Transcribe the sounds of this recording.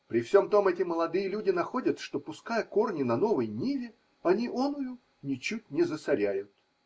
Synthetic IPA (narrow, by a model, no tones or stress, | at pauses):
pɾʲɪfsʲo̞mt̪o̞mɛtʲɪməlˠɐd̪ɨjəlʲudʲɪnɐxo̞dʲət̪ʂt̪o̞pʊskajəko̞rnʲɪnɐno̞vəjnʲivʲɪ | ɐnʲiʔonʊjʊ | nʲɪt͡ɕut̚ʲnʲɪzəsɐɾʲæjʊt̪